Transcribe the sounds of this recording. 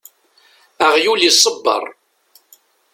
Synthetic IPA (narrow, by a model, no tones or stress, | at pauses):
æʁjulisˤəbːɑ̰ɾˤ